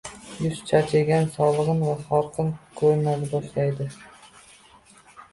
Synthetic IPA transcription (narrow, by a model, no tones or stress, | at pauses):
jʊst͡ʃʰat͡ʃʰeɡʲansɒlˠɨʁɨnvaχɒɾqʰɨnkʰɵɾnalɪbɒʃlajd̪ɪ